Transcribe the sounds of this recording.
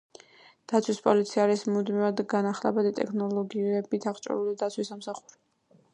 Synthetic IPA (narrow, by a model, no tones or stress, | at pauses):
d̪̥at̪sʰwispʼɔlit̪sʰiaɾismud̪mivad̪ɡanaχlɛbad̪it̪ʼɛ̰kʰnɔlɔɡiɛbit̪ʰaʁt͡ʃʼɔ̰ɾulid̪at̪sʰwisamsaχuɾi